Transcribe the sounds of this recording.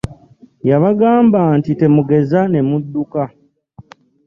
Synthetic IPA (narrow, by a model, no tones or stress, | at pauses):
jaβaɡaːmbaːntite̞muɡe̞zane̞mudːuka